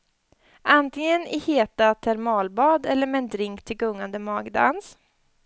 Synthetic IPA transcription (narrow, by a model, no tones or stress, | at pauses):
ʔant̪ɪŋənɪheːt̪at̪ʰæɾmɑːlbɑːd̪ɛlːəɾmɛnd̪ɾɪŋkt̪ʰɪlɡɵŋːand̪əmɑːɡd̪a̰ns